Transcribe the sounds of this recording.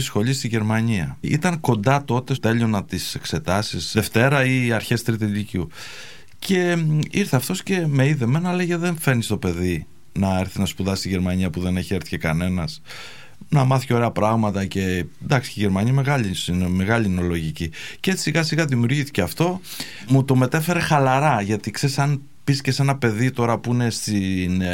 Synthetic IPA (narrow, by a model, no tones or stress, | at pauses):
isxo̞ʎist̪iʝe̞ɾmɐɲiɐ̰ḭt̪ɐŋko̞nd̪ɐt̪o̞t̪e̞t̪e̞ʎio̞nɐt̪ise̞kse̞t̪ɐsisðe̞ft̪e̞ɾɐiɐɾçe̞st̪ɾit̪elicu | cʰe̞iɾθeɐft̪o̞sce̞me̞iðeme̞nɐleʝeðe̞ɱfe̞ɾnist̪o̞pe̞ði | nɐeɾθinɐspuðɐsst̪iʝe̞ɾmɐɲiɐpuðe̞neçieɾθi̥cekɐne̞nɐs | nɐmɐθiceo̞ɾeɐpɾɐɣmɐt̪ɐce̞nd̪ɐksi̥iʝeɾmɐɲime̞ɣɐʎinme̞ɣɐʎino̞lo̞ʝiciceet͡si̥siɣɐsiɣɐðimiuɾʝiθi̥ceɐft̪o̞ | mut̪o̞me̞t̪efe̞ɾe̞xɐlɐɾɐʝɐt̪ikse̞ɾisɐn | pisce̞se̞nɐpe̞ðit̪o̞ɾɐpuine̞st̪in